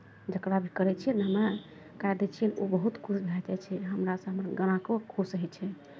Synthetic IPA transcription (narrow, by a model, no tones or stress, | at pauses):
d͡ʒəkɾabʱikəɾɛt͡ʃʰiɛnɦəmɾa | kaed̪et͡ʃʰiɛnobəɦut̪kʰut͡ʃʰbʱad͡ʒat͡ʃʰɛɦəmɾasə̃ɦəməɾɡəñakokʰusəɦɛt͡ʃʰɛ